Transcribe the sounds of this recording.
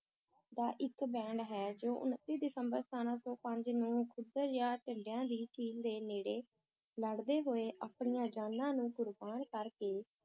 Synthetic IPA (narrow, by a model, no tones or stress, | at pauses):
d̪aːʔɪkbɛ̃ːɳɖɦɛːd͡ʒoːʔʊ̰nt̪ːiːd̪ɪsəmbəɾst̪aːnãːsɔːpəɲd͡ʒnũːkʰʊd̪əɾjãːʈəɳɖejãːd̪iːʈiːld̪eːneːɽeː | ləɽd̪eːɦoːeːʔaːpɳijãːd͡ʒaːnːãːnũːɡʊɾbaːɳkəɾkeː